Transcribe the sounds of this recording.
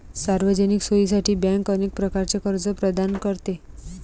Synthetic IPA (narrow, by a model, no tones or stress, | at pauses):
saɾʋəd͡ʒəniksois̬aʈʰibɛ̃ŋkənek̚pɾəkaɾt͡ʃekəɾd͡zɔpɾəd̪ankəɾt̪e